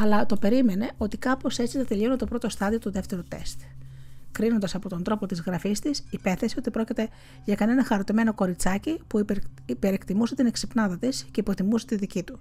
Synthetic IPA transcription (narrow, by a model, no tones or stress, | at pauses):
ɐlɐt̪o̞pe̞ɾime̞ne̞o̞t̪ikɐpo̞se̞t͡siθɐt̪elio̞net̪o̞pɾo̞t̪o̞st̪ɐðio̞t̪oðe̞ft̪e̞ɾot̪e̞̰st̪kɾino̞nd̪ɐsɐpo̞t̪o̞nd̪ɾo̞po̞t̪izɣɾɐfist̪isipe̞θesio̞t̪ipɾo̞cit̪e̞ | ʝɐkɐne̞nɐxɐɾo̞t̪ime̞no̞ko̞ɾit͡sɐcipu | pe̞ɾekt̪imuse̞t̪ine̞ksipnɐðɐt̪isce̞ipo̞t̪imuse̞t̪iðicit̪u